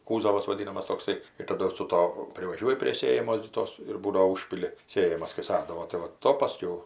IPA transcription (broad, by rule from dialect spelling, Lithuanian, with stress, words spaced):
ˈkuːzɐʋɐs ʋɐˈdʲiːnɐmɐs toːkˈsɐɪ ɪr tɐˈdʊ sʊ ˈtoː pʲrʲɪʋɐˈʒʲuɔjɪ pʲrʲiɛ ˈsʲeːjɛmoːs ɡʲɪ ˈtoːs ɪr ˈbuːdoː ˈʊʃʲpʲɪlʲɪ ˈsʲeːjɛmɐs kɐɪ ˈsɑːdɐʋoː tɐɪ ʋɐ ˈtoː pɐˈsʲkʲɛʊ